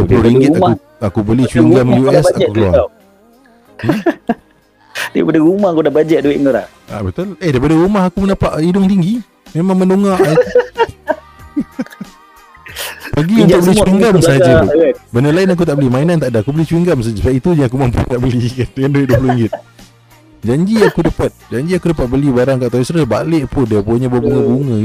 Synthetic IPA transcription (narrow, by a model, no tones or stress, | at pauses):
dduəploɾiŋɡɪt̪au | akubəliht͡ʃuiŋɡamjuɛsakukəlua̰a | dajpadəɾumaakudahbad͡ʒɛʔ̚duwɪʔŋalah | a̰bət̪ʊlehdajpadəɾumaɦakumənapaʔidʊŋt̪iŋɡi | memãŋmənoŋaʔ | pəɡiunʊk̚bəlit͡ʃwiŋɡamsəɦad͡ʒabənəlainak̬ut̪aʔbəlimainant̪aʔdaakubəlit͡ʃuwiŋɡamsəad͡ʒasaʔit̪uɲaakuməmpṵt̪aʔbəlikankanduɪʔ̪̚duəpuluiŋɡɪt̪ | d͡ʒaɲd͡ʒiakudəpat̪̚d͡ʒaɲd͡ʒiakudəpat̪̚bəlibaɾaŋkaʔt̪aisɾəba̰lɪʔpʊndiapoɲabəbuŋəbuŋə